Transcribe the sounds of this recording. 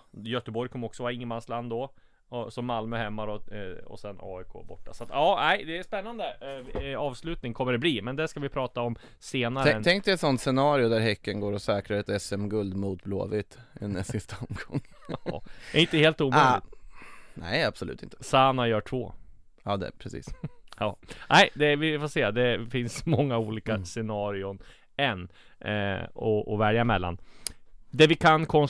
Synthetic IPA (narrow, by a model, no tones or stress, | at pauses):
jœt̪əbɔɾjkʰɔmːəɔksɔvaɪŋːəmansland̪ɔ | ɔsɔmːalmʉhɛmːad̪ɔɔ̰sɛnɑ̰ːɪkʰo̰ːbɔ̰ʈːa̰sat̪ɑːnæɪd̪ɛːspɛnːand̪ə | ɑːvslʉ̟ːt̪nɪŋkʰɔmːəɖɛbliːmɛnd̪æʂkavɪpʰɾɑːt̪aɔm | seːnaɾʰəɛŋk̚d̪ɛɛt̪sɔnt̪sɛnɑːɾɪʊd̪æɾɦɛkːənɡoːɾɔsɛːkɾaɾɛt̪ɛsɛmɡɵld̪muːt̪̚blo̰ːvɪt̪ɛ̰nɛsɪst̪ʰaɔmɡɔŋː | d̪ɛɾɪnt̪əheːlt̪uːmːlɪɡ̚t̪nɛ̰ɪab̥sɔlʉ̟ːt̪ɪ̰nt̪əsaːnajœːʈʰvoː | ɑːd̪ɛ̰pʰɾɛsḭːsjɑːnæɪd̪ɛvɪfoːseːad̪ɛfɪnsmɔŋːauːliːkasɛnɑːɾɪʊn | ɛnː | ɔʔɔvɛɾjamɛlːa̰n | d̪ɛvɪkʰankʰɔns